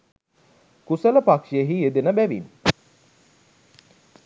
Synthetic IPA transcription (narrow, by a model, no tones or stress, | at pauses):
kusələpakʂieɦied̪enəbæʋḭn